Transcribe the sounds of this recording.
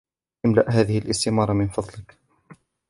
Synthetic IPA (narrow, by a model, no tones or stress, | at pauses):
amlaʔɦaːðɪhɪlʔɪst̪ɪmɑːɾˤmɪnfɑðˤlɪk